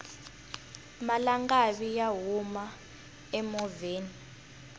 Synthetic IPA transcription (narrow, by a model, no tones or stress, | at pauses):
malaŋɡaɓijaɦuma | ɛmɔveːni